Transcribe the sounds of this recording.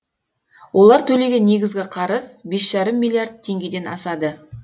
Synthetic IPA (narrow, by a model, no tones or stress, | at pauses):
wʔo̞lˠɑɾt̪ʰɵle̞ɡʲe̞nːe̞ɡʲɪzɡʲɪqʰɑɾəzbe̞sʒ̥ɑɾəmːilʲˠijaɾd̪̚t̪ʰːe̞ŋɡʲe̞d̪e̞nɑ̰sɑd̪ə